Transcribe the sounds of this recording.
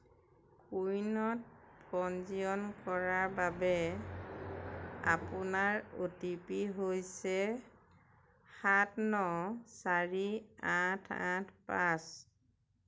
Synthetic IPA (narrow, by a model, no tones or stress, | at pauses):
kujnɔt̚pɔnziɔnkɔɹaɹbabɛ | a̰pʊnaɹotipiɦojsɛ | xatnɔsaɹiatʰã̰tʰpas